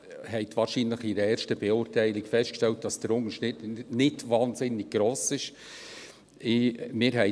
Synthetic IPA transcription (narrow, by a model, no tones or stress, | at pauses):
hɛɪt̪ʋɑːɾʃinləχiɾəɛːɾʃtəb̥eʊːɾtæɪlɪkfɛst̚kʃtɛlt̚d̥ɑsd̥əɾʊŋəʃnɪnɪtʋɑːnzɪnːɪɡ̥̚ɡ̥ɾoːsɪʃ | ʔɪmɪːɾɦɛɪ